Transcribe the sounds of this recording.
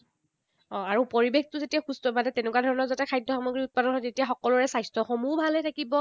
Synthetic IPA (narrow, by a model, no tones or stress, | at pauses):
ɔ̃aɹupoɹibextʊzetijaxustɔbanɛtenʊkwadʱɔɹɔnɔɹzɛtɛkʰajdʱɔxamɔɡɹiut̚padɔnɦɔjtetijaxɔkɔlʊɹɛsajstɔxɔmubʱalɛtʰakibɔ